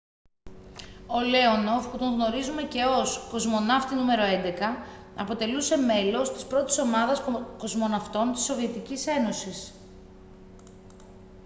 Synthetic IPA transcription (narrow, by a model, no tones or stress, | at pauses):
o̞le̞o̞no̞fput̪o̞ŋɣno̞ɾizume̞ce̞o̞sko̞zmo̞nɐft̪inume̞ɾo̞e̞nd̪e̞kɐ | ɐpo̞t̪e̞luse̞me̞lo̞st̪i̥spɾo̞t̪i̥so̞mɐðɐsko̞zmo̞nɐft̪o̞nt̪i̥sːo̞vie̞t̪icise̞no̞sis